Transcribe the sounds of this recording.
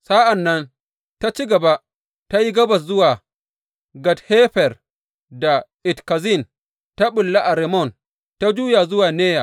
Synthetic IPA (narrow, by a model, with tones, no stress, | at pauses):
sa˦ʔa˨nːɐ˦n | ta˦t͡ʃi˦ɡɐ˨ba˦ | ta˦ji˦ɡɐ˦bɐ˨s̬zʊ˦waː˨ | ɡɐ˨theː˦ɸɛ˨r | da˨ʔɪ˨tka˨zi˦˨n | ta˦ɓʊ˨lːa˦ʔa˨ɾɛ˨mɔ˦˨n | ta˦d͡ʒuː˦ja˨zʊ˦waː˨neː˦ja˨